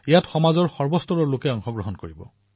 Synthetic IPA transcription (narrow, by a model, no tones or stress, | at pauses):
ejatxɔmazɔɹxɔɹbɔstɔɹɔɹlokɛɔŋxɔɡɹɔɦɔnkoɹibɔ̰